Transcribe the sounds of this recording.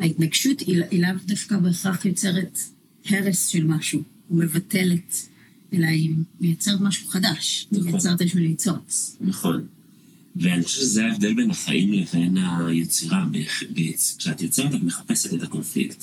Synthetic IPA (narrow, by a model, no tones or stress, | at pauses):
haitnaɡʃutiilavdafkabeχaχjot͡se̞ʁet | he̞ʁesʃelmaʃuː | me̞vate̞let | elajimmejat͡se̞ʁetmaʃu̥χadaʃjt͡seet̪jeʃminet͡so̞t͡snaχo̞n | veaniχoʃezeaevd̪e̞lbenaχa̰ʔimleve̞najet͡siʁabebet͡skʃeat̪jot͡siʁet̪akmeχḁpe̞setet̪ako̞nflḭkt